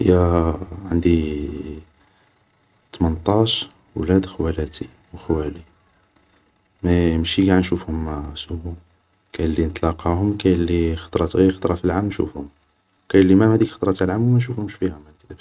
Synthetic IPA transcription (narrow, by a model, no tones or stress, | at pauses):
ə̰jæʕənd̪i | t̪mənt̪ˤɑʃ | wlæd̪xwælæt̪i | wxwæli | mæmʃiɡaʕnʃufhʊmsuhu | kæjəlːinət̪ˤlɑqɑhʊmkæjlːixɑ̥t̪ˤɾˤɑt̪xɑ̥t̪ˤɾˤɑfilʕamnʃṵfhʊm | kæjəlimæmhæd̪ikxɑ̥t̪ˤɾˤɑt̪lʕamwmænʃ̬ufhʊmʃfihæmækt̪æb